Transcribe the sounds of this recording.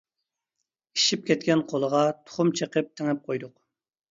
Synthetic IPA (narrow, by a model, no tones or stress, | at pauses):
i̥ʃip̚kʲʰɛt̪̚kʲɛnqʰolˠəʁɑt̪ʰʊ̥χʊmt͡ʃʰeqəp̚t̪ʰɪŋɛp̚qʰojd̪ʊq